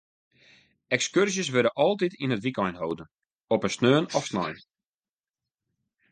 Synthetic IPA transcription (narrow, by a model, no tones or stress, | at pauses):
ɛkskørsjəsʋøɾəʔɔlˠtitinətʋikɔjnɦowdən | ɔpənsnøːnɔfsnɔ̰jn